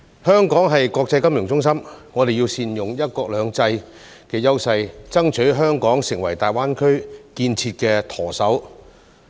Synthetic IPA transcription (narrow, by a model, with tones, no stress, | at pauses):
hœː˥ŋkɔː˨˥ŋɦɐ˨jkɔː˧k̚t͡sɐ˧jkɐ˥mjʊ˨˩ŋt͡sʊ˥ŋs̬ɐ˥mŋɔː˨˧d̪e˨jiː˧wsiː˧njʊ˨ŋjɐ˥t̚kɔː˧k̚lœː˨˧ŋt͡sɐ˧j | kɛː˧jɐ˥wsɐ˧jt͡sɐ˥ŋt͡ʃʰɵ˨˥ɥɦœː˥ŋkɔː˨˥ŋsɪ˨˩ŋwɐ˨˩jt̪aː˨˩jwaː˥nkʰɵ˥ɥkiː˧nt͡sʰiː˧t̚kɛː˧t̪ʰɔː˨˩sɐ˨˥w